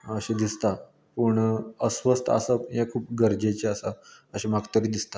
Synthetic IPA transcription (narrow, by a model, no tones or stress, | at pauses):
əɕed̪ist̪a | pəɳəsʋəst̪ə̰səjekʰuːp̚ɡəɾd͡ʑet͡ɕeəsaəɕemaɡt̪əɾiːd̪ist̪a